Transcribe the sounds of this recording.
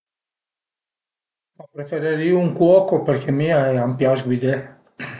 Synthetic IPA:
apɾefeɾeɾiuŋkwɔkopeɾkʰemiaɛampjazɡwid̪e

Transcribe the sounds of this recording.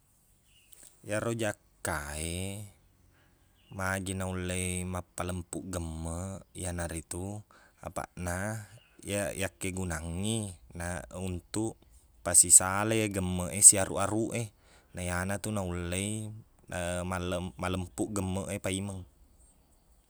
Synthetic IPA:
jaɾod͡ʒakːae | mad͡ʒinaulːeimapːaləmpuʔɡəmːəjanaɾit̪ua̰pa̰ʔnajajakːeɡunaŋːinaunt̪uʔ | pasisalejeɡəmːəʔesiaɾʔṵʔaɾuʔe | najanat̪unaulːei | amaləmaləmpuʔɡəmːəʔepaiməŋ

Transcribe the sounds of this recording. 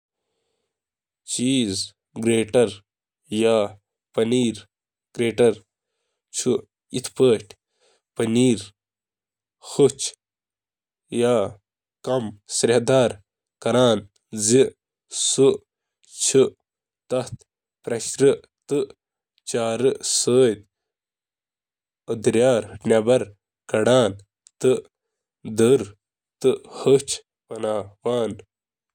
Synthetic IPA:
t͡ʃiːz | ɡɾeːʈɐɾ | jaː | pɐniːɾ | ɡ̥ɾeːʈɐɾ | t͡ʃʰu | it̪ʰpəːʈʰ | pɐniːɾ | xut͡ʃ | jaː | kɐmsɐɾɐhd̪aːɾ | kɐɾaːn | zi | su | t͡ʃʰɨ | t̪ɐht̪ | pɾɐɕɾɨ | t̪ɨ | t͡ɕaːɾɨsəːt̪̚ | əd̪ɾjaːɾnɐbɐɾ | kɐɽaːn | t̪ɨ | d̪əɾ | t̪ɨhət͡ʃ | pɐnaːwaːn

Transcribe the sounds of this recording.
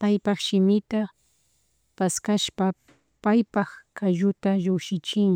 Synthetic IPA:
pajpɑχʃɪmɪt̪a | paskaʃpa | pajpɑχkaʒʊt̪aʒʊkʃɪt͡ʃɪŋ

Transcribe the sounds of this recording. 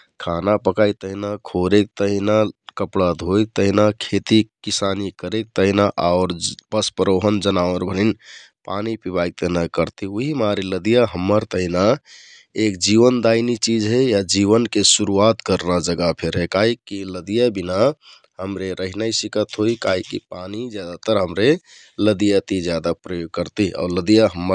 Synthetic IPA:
kʰanapəkait̪əɦinakʰoɾek̚t̪əɦinakəpɽad̪ʱok̚t̪əɦinakʰet̪ikisanikəɾek̚t̪əɦinaʔaʊɾpəspəɾoɦənd͡ʒənaʋəɾbʱənin | panipibajk̚t̪əɦinakəɾt̪iuɦimaɾiləd̪ijaɦəmːəɾt̪əɦina | ekd͡ʒiʋənd̪ainit͡ʃid͡ʒɦejad͡ʒiβənkesuɾuat̪kəɾnad͡ʒəɡapʰeɾɦekaɦikiləd̪ijabina | həmɾeɾəɦinaisikət̪ɦoikaɦikḭpanid͡ʒjad̪at̪əɾɦəmɾe | ləd̪ijat̪id͡ʒjad̪apɾəjoɡ̚kəɾt̪ia̰ʊɾləd̪ijaɦəmːə

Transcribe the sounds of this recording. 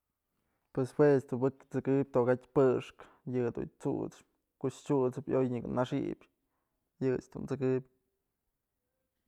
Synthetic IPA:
pweswest̪ubɨkt͡sɨkɨp̚ʲt̪oʔɣat̪ʲpɨʂk | jɨd̪ṵɲt͡sṵʔt͡s | koʔt͡ʃt͡ʃut͡sɨpojɲɨknaʂḭbʲ | jɨt͡ʃd̪̥unt͡sɨkɨpʲ

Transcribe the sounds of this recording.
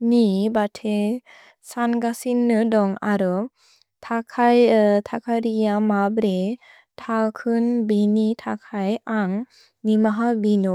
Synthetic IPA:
nibatʰe | sanɡasinːɯdɔŋaɾɯ | tʰakʰajtʰakʰaɾijamabɾe | tʰalkʰɯnbinitʰakʰajaŋ | nimaɦabinɔ

